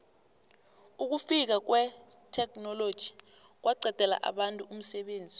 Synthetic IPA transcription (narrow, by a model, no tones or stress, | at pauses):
uk̬ufik̬ak̬wɛ | tʰɛknɔlod̥ʒ̥ʱi̥ | k̬wʔaǀʱɛd̥ʱɛla̰ʔa̰ɓantʼuum̩sɛɓeːnd͡zʱi